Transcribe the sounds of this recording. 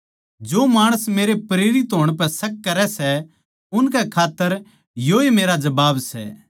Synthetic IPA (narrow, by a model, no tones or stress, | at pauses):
d͡ʒoːmaːɽ̃əsmeːɾepɾeːɾɪt̪ɦoːɽ̃p̬ɛsɐk̚ːɐɾɛsɛ | ʊnkɛkʰaːt̪ːəɾ | joːemeːɾad͡ʒɐbaːbsɛ̰ː